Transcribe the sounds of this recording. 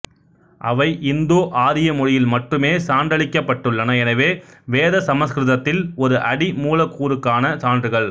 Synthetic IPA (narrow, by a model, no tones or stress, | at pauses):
ʔɐʋɐɪʔɪnd̪oːʔaːɾɪjɐmʊɻɪjɪlmɐʈrɯmeːsaːnɖ̪ɐɭɪkːɐpːɐʈːɯɭːɐnɐɛnɐʋeːʋeːðɐsɐmɐskɾɪðɐt̪ːɪlɔɾɯʔɐɽimuːlɐkːuːɾɯkːaːnɐsaːndrɯɣɐɭ